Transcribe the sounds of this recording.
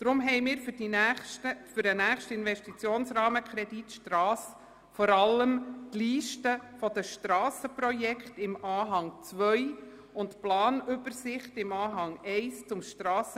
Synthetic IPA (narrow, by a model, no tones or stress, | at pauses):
d̪̥ɾʊmɦɛɪmɪːɾfd̥itəfʏɾdənæːχʃtəɪnvɛʃtit͡sjoːnsrɑːməkʰɾɛditʃtrɑːs | fɔɾɑləmtliːʃtəfɔd̥̪əʃtɾɑːsəprɔjɛkʰtɪmɑːɦɑŋt͡sʋœj | ʊntplɑːnʏbəɾsɪχtɪmɑːɦɑŋɛɪst͡sʊmʃtɾɑːsə